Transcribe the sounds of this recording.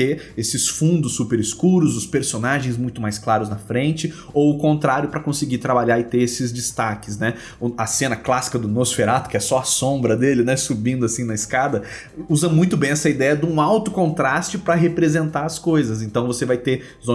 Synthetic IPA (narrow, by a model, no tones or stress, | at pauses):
e | esɪsfũnd̪ʊsːupeɾiskuɾʊzʊspeɾsonaʒẽj̃zmũj̃t̪ʊmajsklaɾʊznɐfɾẽnt͡ʃɪ | owʊkõnt̪ɾaɾjʊpɾɐkõsɪɡit̪ɾabaʎaɪt̪eɾesɪzd͡ʒɪst̪akɪsnɛ | ʊɐsẽnɐklasi̥kɐd̪ʊmosfeɾat̪ʊ̥kɪɛsɔɐsõmbɾɐd̪elɪnɛsubĩnd̪ʊasĩnɐɪskad̪ɐ | uzɐ̃mũj̃t̪ʊbẽj̃ɛsɐid̪ɛjɐd̪ũawt̪ʊkõnt̪ɾast͡ʃɪpɾɐɦepɾezẽnt̪aɐskojzɐzẽnt̪ɐ̃w̃vosevajt̪e | zõ